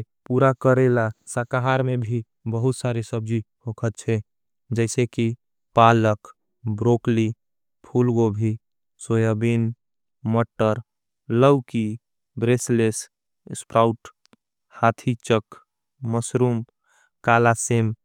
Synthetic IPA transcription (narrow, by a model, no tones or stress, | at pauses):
puɾakəɾelasəkaɦaɾmebʱi | bəɦut̪saɾisəb̚d͡ʒihokʰət̪t͡ʃʰɛ | d͡ʒəɪseki | palək | bɾokli | pʰulɡobʱi | sojabin | məʈːəɾ | ləwki | bɾesles | spɾaʊʈ | hat̪ʰit͡ʃəkː | əsɾum | kalasim